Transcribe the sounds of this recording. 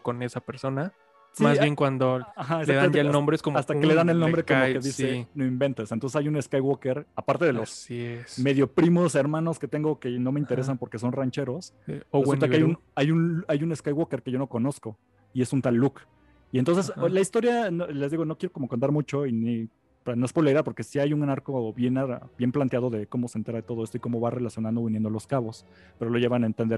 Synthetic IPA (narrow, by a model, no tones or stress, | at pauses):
konesapeɾso̞na | smimazjeŋkwand̪oaxaesaðtamẽnt̪aelnõmbɾeskomast̪akkeleðanelnombɾekkommokeðisenoimbe̞nt̪esent̪onsesajune̞skajwokeɾapaɾt̪e̞ðelosiesme̞ðjo̞pɾimo̞se̞ɾmãno̞sket̪e̞ŋɡo̞ke̞no̞meint̪eɾe̞sampo̞ɾke̞so̞nrant͡ʃe̞ɾo̞s | et̪aeajun | ajunajune̞skajɣwoke̞ɾke̞ʝono̞ko̞no̞sko̞ | ie̞sunt̪alːuk | ient̪o̞nsesolaist̪o̞ɾjanole̞zðiɣo̞no̞kjeo̞ko̞mokont̪aɾmut͡ʃo̞ini | anoespoleɾapo̞ɾke̞siajuŋnaɾko̞βje̞nabje̞mplant̪jað̞o̞ðe̞ko̞mo̞sent̪e̞ɾaðet̪oð̞o̞est̪o̞iko̞mo̞βare̞lasjo̞nãnd̪oinje̞nd̪oloskaβo̞s | pe̞ɾo̞lo̞ʝe̞βanaent̪end̪eɾ